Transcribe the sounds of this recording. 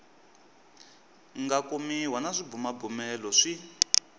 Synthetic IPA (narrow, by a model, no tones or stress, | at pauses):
ŋɡakumiɦwanaʂibumabumɛlɔʂi